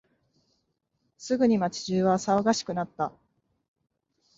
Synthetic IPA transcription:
sɨɡɯ̟ɲ̟imat͡ɕi̥ʑɨːβasaoɡaɕi̥kɯnat̪ːa

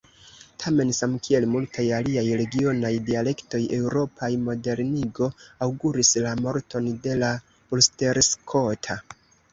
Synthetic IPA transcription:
tʰame̞nsamkʰie̞lmultʰajaliajɾe̞ɡio̞najdiale̞kto̞jʔe̞wɾo̞pʰajmo̞de̞ɾniɡo̞awɡuɾislamo̞ɾto̞nde̞la | ulste̞ɾskʰo̞tʰa

